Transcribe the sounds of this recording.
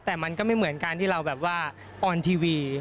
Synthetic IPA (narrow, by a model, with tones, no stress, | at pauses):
t̪ɛː˨˩ma˧nkɔː˥˩ma˥˩jmɯ˩˦ənkaː˧nt̪ʰiː˥˩ɾa˧wbɛː˨˩p̚waː˥˩ | ʔɔː˧nt̪ʰiː˧wiː˧